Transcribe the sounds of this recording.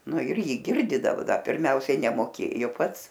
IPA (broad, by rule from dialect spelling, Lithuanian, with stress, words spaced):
ˈnʊ ɪr ˈjiː ˈɡʲɪrʲdʲiːdɐʋʊ ˈdɐr pʲɪrʲˈmʲɛʊsʲɛɪ nʲɛmoːˈkʲeːjoː ˈpɐts